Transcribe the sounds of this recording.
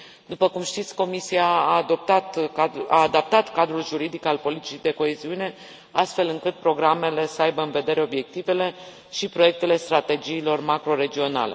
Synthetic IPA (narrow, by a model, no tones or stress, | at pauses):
d̪upəkumʃt̪it̪sʲko̞misijaːd̪op̚t̪at̪aːd̪ap̚t̪at̪kad̪ɾulʒuɾid̪ikalpo̞lit̪i̥t͡ʃid̪e̞ko̞e̞ziune̞ | ast̪fe̞lɨŋkɨt̪̚pɾo̞ɡɾame̞le̞səajbəɨnve̞d̪e̞ɾe̞o̞bje̞k̚t̪ive̞le̞ | ʃipɾo̞je̞k̚t̪e̞le̞st̪ɾat̪e̞d͡ʒiːlo̞rmakɾo̞ɾe̞d͡ʒio̞na̰lḛ